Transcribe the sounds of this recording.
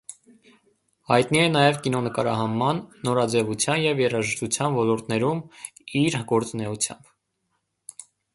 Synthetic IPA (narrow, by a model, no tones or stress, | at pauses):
hɑjt̪niɛnɑjɛvkinɔnəkɑɾɑɦɑmːɑnːɔɾɑd͡zɛvut͡sʰjɑnjɛvjɛrɑʒəʃt̪ut͡sʰjɑnvɔlɔɾt̪ʰnɛɾumiɾɡɔɾt͡sunɛut͡sʰjɑ̰mb